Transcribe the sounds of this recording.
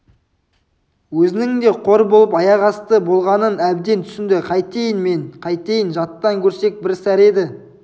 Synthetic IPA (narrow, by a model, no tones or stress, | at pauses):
wɵzɪnɪŋd̪e̞qʰo̞ɾbolˠəpɑjɑʁɑst̪əbo̞lˠʁɑnənæb̚d̪e̞nt̪ʰʏ̥sɪnd̪ɪqʰɑjt̪ejɪnme̞ɴqʰɑjt̪ejɪnʒɑt̪ːɑŋkʲʰɵɾse̞k̚bɪɾsæɾe̞d̪ɪ